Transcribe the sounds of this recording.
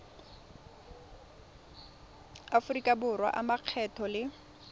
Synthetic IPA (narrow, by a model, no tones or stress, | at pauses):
afʊrikʼabʊrwa̰ʔamaq͡χʰɛtʰɔlɪ